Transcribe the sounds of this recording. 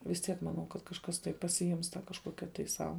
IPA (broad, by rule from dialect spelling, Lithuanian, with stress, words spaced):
ʋʲɪs ˈtʲiɛk mɐˈnɐʊ kɐt kɐʃˈkɐs tɐɪ pɐsʲɪˈɪms tɑː kɐʃˈkoːkʲɛ tɐɪ ˈsɐʊ